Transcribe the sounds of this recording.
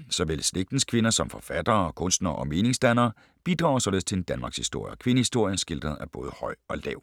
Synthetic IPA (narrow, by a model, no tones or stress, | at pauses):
sɒ̽ʋelsleɡ̥̚d̥n̩skʰʋe̝nɐsɒ̽mfɒ̽fæd̥ɐːkʰɔ̽nsd̥nɐːʔɒ̽me̝ːne̝ŋsd̥ænɐː | b̥id̥ʁɑ̈ʊsɒ̽le̝ð̩ˠst͡sʰe̝end̥ænmɑ̈ːɡ̥shisd̥o̝ɐ̰jɐkʰʋe̝nəhisd̥o̝ɐ̰jɐsɡ̥e̝l̰d̥ʁɐð̩ˠæb̥ɔ̽ːð̞ˠəhɒ̽ɪ̰ɒ̽lɛʊ̰